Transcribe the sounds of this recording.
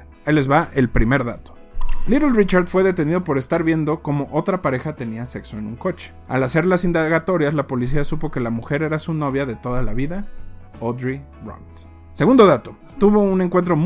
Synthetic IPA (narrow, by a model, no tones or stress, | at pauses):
elezβaʔe̞lpɾime̞ɾða̰t̪o | liɾolrit͡ʃaɾðfwe̞ðe̞t̪e̞niðo̞po̞ɾe̞st̪aɾβje̞nd̪o̞ko̞mo̞ʔo̞t̪ɾapaɾe̞xat̪e̞niase̞kso̞e̞nũŋko̞t͡ʃe̥a̰lase̞ɾlasind̪aɣat̪o̞ɾjazlapo̞lis̬iasupo̞ke̞lamuxe̞ɾe̞ɾasuno̞β̞jaðe̞t̪o̞ðalaβiða | od̪ɾi | ro̰nt̪ | se̞ɣund̪o̞ðat̪o̞ | t̪uβo̞une̞ŋkwent̪ɾo̞m